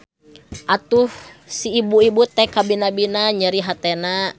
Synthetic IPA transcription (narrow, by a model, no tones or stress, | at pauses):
ʔat̪uhsiːbuibut̪ɛkabinabinaɲəɾiɦat̪ɛna